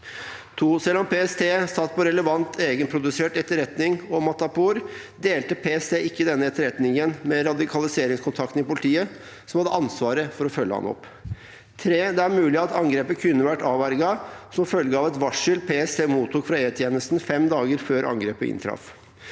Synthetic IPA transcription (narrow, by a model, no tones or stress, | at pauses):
t̪ʰuːsɛlːɔmpeːɛst̪ʰeːsɑt̪ːpɔɾɛləʋɑnt̪ʰeːɡənpʰɾʊd̪ʉseːʈɛt̪ːəɾɛt̪nɪŋɔmɑt̪ɑpʰuːɾ | d̪eːlt̪əpʰeːɛst̪ʰeːʔɪkːəd̪ɛnːəɛt̪ːəɾɛt̪nɪŋənmɛɾɑd̪ɪkʰɑlɪseːɾɪŋskʰʊnt̪ʰɑk̚t̪n̩ɪpʊlɪt̪ʰiːə | sɔmhɑd̪əʔɑnsʋɑːɾəfɔɾɔfœlːə̰hɑ̰nɔ̰pː | t̪ʰɾeːd̪ɛæɾmʉːlɪɑt̪ɑŋɡɾeːpəkʰʉnːəʋæʈːɑːʋæɾɡɑsɔmfœlɡəɑːʋɛt̪ʋɑʂɪlpʰeːɛst̪eːmuːt̪ʰːuːkfɾɑeːt̪ʰjeːnəst̪n̩fɛmd̪ɑːɡəɾføːɾʔɑ̰ŋɡɾeːpə̰ɪ̰nt̪ʰɾɑ̰f